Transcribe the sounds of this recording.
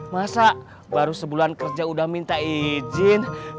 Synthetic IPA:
masa | baɾusəbuluankərd͡ʒaudahmint̪aid͡ʒɪn

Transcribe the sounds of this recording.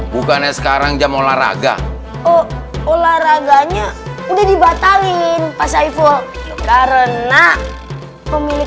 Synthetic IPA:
bukanasə̥kaɾaŋd͡ʒamola̰ɾa̰ɡa̰ | ɔolahraɡaɲaudadibat̪alɪnpasaifɔlkaɾəna | məmilɪ

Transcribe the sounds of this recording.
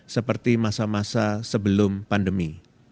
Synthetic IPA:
səpərt̪imasamasasəbəlʊmpandəmi

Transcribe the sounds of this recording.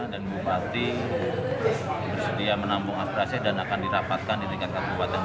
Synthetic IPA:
danbupat̪i | bərsədiamənambɔŋapiɾasɛdanakandiɾapat̪̚kanilikakat̪uwat̪an

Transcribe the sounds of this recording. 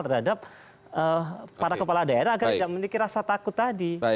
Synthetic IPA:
lt̪ərhadap̚ | əpaɾakəpaladaeɾaːɡad͡ʒaʔmənikiɾasat̪akʊt̪ːadi

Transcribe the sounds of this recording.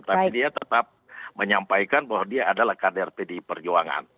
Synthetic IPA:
t̪apidiat̪ət̪ap̚məɲampajkanbawadiaːdalahkadɛrpedipərd͡ʒoaŋa̰n

